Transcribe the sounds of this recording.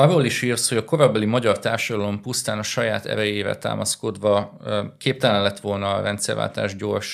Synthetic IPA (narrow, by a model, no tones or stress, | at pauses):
ɒrːoːliʃiːrsho̞ɟɒko̞ɾɒbɛlimɒɟɒrt̪aːrʃɒd̪ɒlo̞mpust̪aːnɒʃɒjaːt̪ɛ̰ɾɛjeːvɛ̰t̪a̰ːmɒ̰sko̞d̪ʋɒkʰeːp̚t̪ɛlɛnlɛt̪ʋo̞lnɒrɛnt̪sɛ̰rva̰ːlt̪a̰ːʒɟo̞rʃ